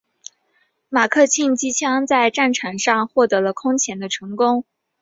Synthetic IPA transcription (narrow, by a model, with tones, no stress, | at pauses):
ma˨˩kʰɤ˥˧t͡ɕʰi˥˩nt͡ɕi˥t͡ɕʰjɑ˥ŋt͡sa˥˧ɪʈ͡ʂa˥˩nʈ͡ʂʰa˨˩nʂɑ˥˧ŋxwɔ˥˩t̪ɤ˧˥lə˧kʰʊ˥ŋt͡ɕʰjɛ˧˥nd̪ə˧ʈ͡ʂʰɤ˧˥ŋkʊ˥ŋ